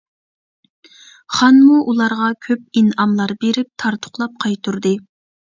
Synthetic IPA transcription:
χɑnmuʔulˠɑɾʁɑkʲʰøp̚inɑmlˠɑɾbeɾɪp̚t̪ʰɑɾt̪ʰʊ̥χlˠɑp̚qʰɑjt̪ʰuɾd̪ɨ

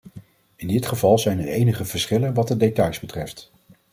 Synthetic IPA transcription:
ɪndɪtχəvɑlˠzɛjnəɹejnəχəv̥əɹsχɪlənʋɑt̚dədejtɑjzbətrɛft

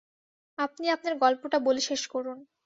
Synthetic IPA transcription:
apniap̚naɾɡɔlpoʈaboleʃeʃkɔɾun

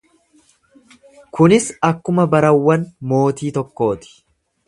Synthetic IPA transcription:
kʊnɪsɐkːʊmɐbɐɾɐwːɐnmo̞ːt̪iːt̪ɔkːo̞ːt̪ɪ̥

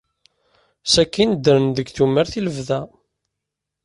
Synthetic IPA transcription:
sækːind̪əɾənðəɡθumːəɾθiləvðæ

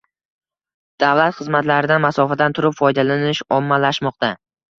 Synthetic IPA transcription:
d̪̥avlat̪χɨzmat̪laɾɪd̪anmasɒfad̪ant̪ʰʊɾɪpfɒjd̪alanɪʃɒmːalaʃmɒq̚t̪a

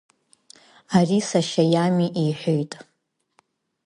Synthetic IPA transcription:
arisaʃajamiʔijħʷᶣojtʼ

